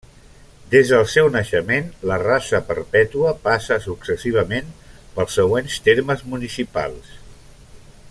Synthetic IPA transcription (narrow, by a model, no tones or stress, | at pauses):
d̪ezðəlˠsɛwnəʃəmenlərasəpəɾpɛt̪uəpasəsuksəsiβ̞əmenpəlˠsːəɣwenst̪eɾməzmunisipa̰lˠs